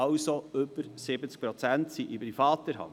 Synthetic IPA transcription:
ɑʊsoʏbəɾsɪbət͡sk̚pɾot͡sæntsiʔibifɑːt̪əɾɦɑ̰n

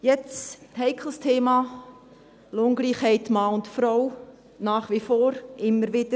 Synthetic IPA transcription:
jɛt͡stɦɛɪkʰl̩əstʰeːmɑː | loːŋɡliːχhɛɪtmɑːʊntfɾɔw | naːχʋifoːɾʔɪmːəɾʋɪd̥ə

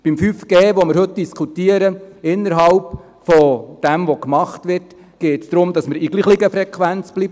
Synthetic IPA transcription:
b̥imfyfɡ̥eːʋoməɾhɵt̚d̥iskʰutiəɾəɪnːəɾɦɑlp | fɔd̥ɛmʋɔkmɑχtʋɪrt | ɡ̥eːtsd̥̪ɾʊmd̥ɑsməɾiɡ̥liːχliɡəfɾɛkʰʋænt͡sb̥liːb

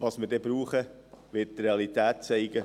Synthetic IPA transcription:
ʋɑsməɾdɛbɾuːχə | ʋɪttɾeɑlit̪æːt̚t͡sɛɪɡə

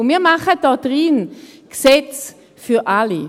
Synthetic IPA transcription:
miːɐmaχəd̥ɔdʁinksɛt͡s | fyʔali

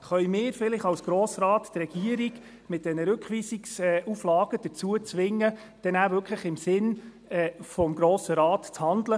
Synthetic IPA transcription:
χœjmɪːɾfɪlɪχɑwsɡ̥ɾoːsɾɑːttɾɛɡ̥iəɾiɡ̥ | mɪt̪̚d̥ɛnəɾʏkχʋiːsiksɛʔuflɑːɡəd̥ət͡suət͡sʋɪŋːə | d̥ɛnævʏkʰləχɪmsɪn | ɛfɔmɡɾoːsəɾɑːtt͡shɑnd̪lə

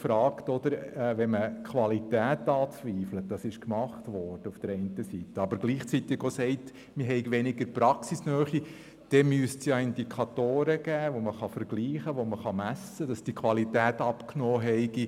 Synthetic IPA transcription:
fɾɑːktɔd̥̪əɾɛʋɛməkχʋɑlitæːtɑːt͡sʋiːflət̚d̥ɑsɪʃkmɑχtʋɔːɾd̥əufd̥əɾɛɪntəsitəɑbəɾɡliːχt͡sit̪ɪɡosɛɪt | mɪɦɛɪɡʋɛnɪɡəɾpɾɑksisnœːχi | d̥ɛmyəstsjɑɪndikʰɑt̪oːɾəɡ̥æːʋoməχɑfəɾɡ̥liːχəʋoməχɑmæsːəd̥ɑsd̥ikʰʋɑlitæːtɑpknɔːɦɛɪɡ̥i

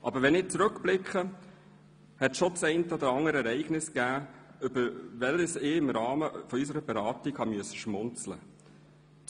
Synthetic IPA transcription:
ʔɑ̰bəɾʋɛnɪːt͡sɾɵkb̥lɪkχə | hɛtʃɔt͡sɛɪntəɔd̪əɾɑŋəɾəɛɾɛɪɡnɪskæːʏbəɾʋɛləsɪːɪmɾɑːməfɔys̬əɾəbɛɾɑːtikhɑmyəsə̥ʃmʊnt͡slə̰

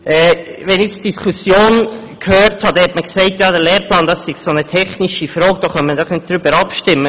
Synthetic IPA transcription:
ʔɛːʋɛnɪt͡sd̥iskʰusjoːn | kʰhøːɾthɑd̥ɛhɛtməksɛɪtjɑːdəɾlɛːɾplɑːndɑsːɪɡ̥sonətʰɛχniʃifɾɔːɡ̚d̥oːχœnmədɔχnɪt̚d̥ɾybəɾɑpʃtɪmːə

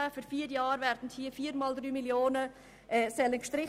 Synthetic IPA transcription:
afyːɾfiːəɾjɑːɾvɛɾd̥n̩thiːfiːɾmɑːldɾyːmiljoːnə | ʔɛsɛlənkʃtɾɪ

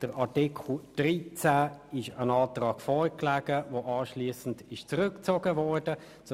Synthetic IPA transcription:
d̥əɾatikʰl̩d̥ʁiːt͡sæɪʃənɑːtʁɑːkfɔːɾklaːɡəvoʔɑːʃliːsn̩dɪʃt͡sʁʏkt͡soːɡəvɔːɾd̥ə | t͡s

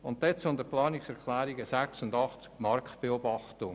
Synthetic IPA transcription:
ʊnttːɛt͡sʊnd̪əplɑːnɪksɛɾkʰlæːɾiɡəsæksʊndɑχt͡skmɑɾktb̥eɔbɑχtʊŋ

